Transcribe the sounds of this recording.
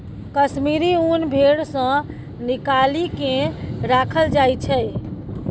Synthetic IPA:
kəsmiɾiunbʱeɽsə̃ | nikalikẽɾakʰəld͡ʒajt͡ʃʰɛ

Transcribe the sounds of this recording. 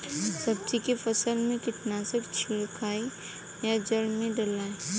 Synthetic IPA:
sɐb̚d͡ʒikefʰəsəlmẽkɪʈnaːsəkt͡ʃʰiɾkʰaːi | jad͡ʒəlmẽɖəlaːe

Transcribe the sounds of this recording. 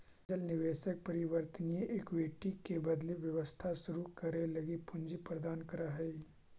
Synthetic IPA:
əlnɪʋeːʃək̚pəɾɪʋəɾt̪ənieʔeːkʋeːʈikebɐd̪liʋjɐʋəst̪ʰasʊɾukɐɾelɐɡipʊɲd͡ʒipɾəd̪aːnkɐɾaɦɛi

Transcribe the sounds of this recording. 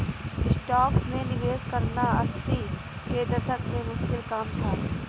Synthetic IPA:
ɪsʈaːksmẽnɪʋeːzkɐɾnaɐsːi | ked̪ɐsəkmẽmʊʃkɪlkaːmt̪ʰaː

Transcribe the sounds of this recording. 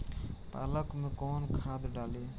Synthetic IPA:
p̪a̰ːləkmẽkoːnkʰaːd̪ɖaːleː

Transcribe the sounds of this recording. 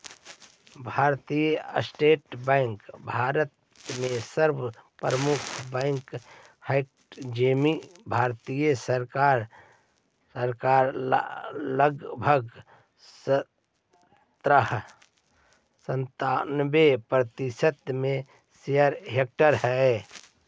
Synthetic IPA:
bʱaːɾt̪ijsʈeːʈbɛ̃ɪŋkbʱaːɾət̪ | mẽsəɾbpɾəmʊkʰbɛ̃ŋk | h | d͡ʒemibʱaːɾt̪ijəsəɾkaɾ | səɾkaːɾ | ləɡbʱəɡ | sə | t̪ɾəɦ | sə̃nt̪aːnbepɾət̪ɪsət̪mẽ | sejəɾɦek̚ʈəɾɦɛ

